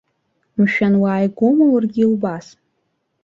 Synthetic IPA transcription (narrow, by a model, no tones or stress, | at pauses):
mʃᶣanwaːjɡʷomawarɡʲiilbas